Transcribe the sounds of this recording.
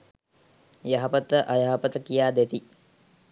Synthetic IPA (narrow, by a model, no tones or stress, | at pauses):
jaɦɐpət̪əʔajaɦɐpət̪əkijaːd̪et̪i